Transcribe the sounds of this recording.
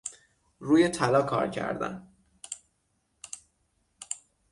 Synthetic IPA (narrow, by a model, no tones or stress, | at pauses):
ruːjet̪ʰælɒːkʰɒ̰ːɾcʰæ̰ɾd̪æ̰n